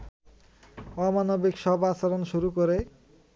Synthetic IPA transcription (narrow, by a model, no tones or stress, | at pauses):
ɔmanobikʃɔbasaɾonʃuɾukoɾe